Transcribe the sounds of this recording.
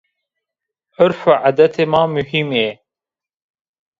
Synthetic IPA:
əɾfaʕad̪ɐt̪ʰemaːmuhime

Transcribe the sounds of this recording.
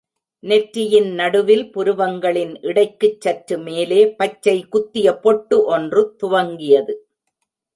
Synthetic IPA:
nɛʈɾɪjɪnnɐɽɯʋɪlpʊɾɯʋɐŋɡɐɭɪnʔɪɽɐɪkːɯt͡ʃːɐʈɾɯmeːleːpɐt͡ʃːɐɪkʊt̪ːɪjɐpɔʈːɯʔɔndrɯt̪ʊʋɐŋɡɪjɐðɯ

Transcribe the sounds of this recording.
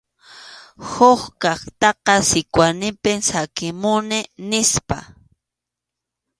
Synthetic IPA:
hoxkɑχt̪ɑqɑsɪkwanɪpɪŋsakɪmʊnɪnɪspa̰

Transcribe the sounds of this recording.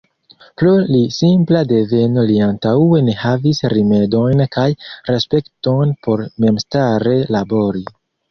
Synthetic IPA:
plulisimplade̞ve̞noliantaue̞ne̞havisɾime̞do̞jnkajɾe̞spe̞kto̞jnpʰo̞ɾme̞mstaɾe̞labo̞ɾi

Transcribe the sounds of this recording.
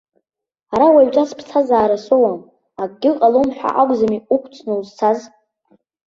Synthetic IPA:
aɾawaɥt͡ʃʷʼaspʰt͡sʰazaːɾasowam | akʼɡʲɪqʼalomħʷᶣa̰ʔaɡʷʼzamiukʷʰt͡sʰnɨuzt͡sʰaz

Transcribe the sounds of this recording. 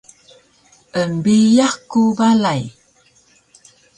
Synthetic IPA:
əmbijahkubalaj

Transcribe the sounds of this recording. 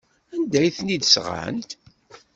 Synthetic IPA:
ænd̪æjθnid̪sʁə̰nt̪

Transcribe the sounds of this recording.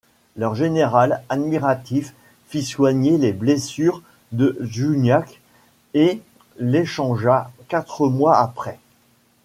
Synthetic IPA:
lœʁʒeneʁalad̪miʁat̪ifː | iswaɲeleblesyʁ | d̪əʒynjak | e | leʃɑ̃ʒakat̪χəmwaapχɛ

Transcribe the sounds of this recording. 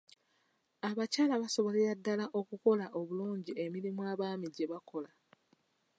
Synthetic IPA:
aβacaːlaβaso̞βoleadːalaʔo̞kuko̞laʔo̞βuluːɲɟie̞miɾimuaːβaːmiɟe̞βakʰo̞la

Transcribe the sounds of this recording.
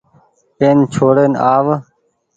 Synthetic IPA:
eːnt͡ʃʰoːɽeːnaːʋ

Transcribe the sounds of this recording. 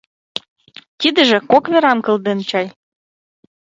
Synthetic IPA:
t̪id̪ə̆ʒĕkokβeɾɑmkɤ̆ld̪ent͡ɕɑj

